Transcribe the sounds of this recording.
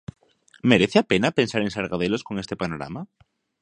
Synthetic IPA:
meɾeθeapenapẽ̞nsaɾensaɾɣaðeloskoŋest̪epanoɾa̰ma

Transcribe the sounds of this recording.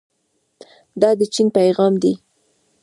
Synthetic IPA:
d̪ɑd̪ət͡ʃinpajɣɑmd̪i

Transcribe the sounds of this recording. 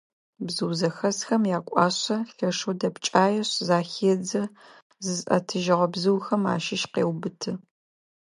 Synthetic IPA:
bzɨwzɐxɐsxɐmjaːkʷʼɑ̰ːɕɐɬɐʂuwdɐpt͡ʃʼaːjɛɕzaːxeːd͡zɐ | zɨzʔɐ̰tʰɨʒɐʁɐbzɨwxɐma̰ːʃɪʃqḛːwbɨtʰɨ

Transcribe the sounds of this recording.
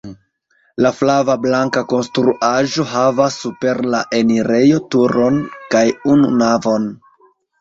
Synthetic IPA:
laflavablaŋkako̞nstɾuʔaʒo̞ɦavasːupe̞ɾlaʔe̞niɾe̞jo̞tuɾo̞nkajunṵnavo̞n

